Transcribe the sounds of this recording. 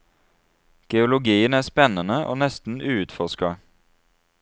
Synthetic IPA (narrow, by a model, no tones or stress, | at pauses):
ɡ̥ɛʊlʊɡiːənæːspɛnənəʔo̰ːnɛst̪n̩ʉːʉt̪fɔʁʃkɑ